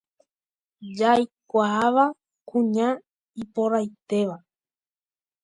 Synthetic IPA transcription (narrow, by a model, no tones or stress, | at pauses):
d͡ʒajkʷaaʋa | kũɲã | ipoɾajt̪e̞ʋa